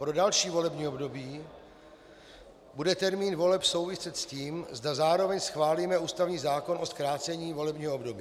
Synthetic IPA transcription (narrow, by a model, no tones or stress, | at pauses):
pɾo̞dalʃiːvo̞lɛbɲiːobdo̞biː | budɛt̪ɛɾmiːnvo̞lɛpso̞wvɪsɛt̪sciːmzdazaːɾo̞vɛɲsxvaːliːmɛuːst̪avɲiːzaːko̞nʔoskɾaːt͡sɛɲiːvo̞lɛbɲiːɦoobdobiː